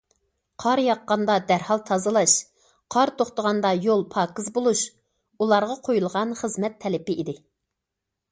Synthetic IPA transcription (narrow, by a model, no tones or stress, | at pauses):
qʰɑɾjɑqːɑnd̪ɑd̪æɾhɑlˠt̪ʰɑzɨlˠɑʃ | qʰɑɾt̪ʰoχt̪əʁɑnd̪ɑjolˠpʰɑːkɨzbolˠuʃ | ulˠɑɾʁɑqʰojulˠʁɑnχəzmɛt̪ʰːɛlɪpɪid̪ɪ